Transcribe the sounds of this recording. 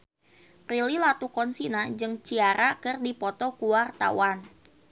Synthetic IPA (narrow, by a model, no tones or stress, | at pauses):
pɾililat̪ukɔnsinad͡ʒɨŋt͡ʃiaɾakɨrdipɔt̪ɔkuwart̪a̰wan